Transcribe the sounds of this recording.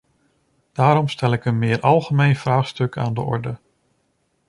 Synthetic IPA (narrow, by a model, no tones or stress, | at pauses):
d̥aːɾɔmstɛlɪkənmɪːɹʔɑlˠχəmejnv̥raːχstɵkʰa̰ːndə̰ʔɔ̰ɹdə